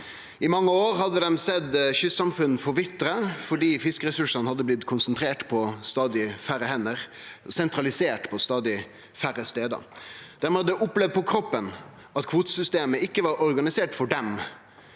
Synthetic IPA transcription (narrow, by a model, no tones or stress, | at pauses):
ʔɪmɑŋːəoːɾhɑd̪ːəd̪ɛmsɛd̪çʏsɑmfʉn̩fɔɾʋɪt̪ːɾəfɔɖiːfɪskəɾɛsʉʂɑnhɑd̪ːəblɪt̪kʰʊnsənt̪ʰɾeːʈpʰɔst̪ɑːd̪ɪfæɾəhɛnːəɾsɛnt̪ɾɑlɪseːʈpʰɔst̪ɑːd̪ɪ | fæɾːəst̪eːd̪ə̰d̪̥æɾmɛːhɑd̪ɛʔʊplɛʋd̪̚pʰɔkʰɾɔpːən | ɑt̪kʰʋuːt̪əsʏst̪eːməɪkːəʋɑːɾɔɾɡɑnɪseːʈfɔɖɛm